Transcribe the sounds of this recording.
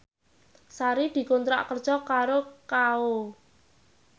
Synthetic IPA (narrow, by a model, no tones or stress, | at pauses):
saɾid̪̥i̤kont̪ɾa̰ʔkərd̥ʒ̥ɔkaɾokao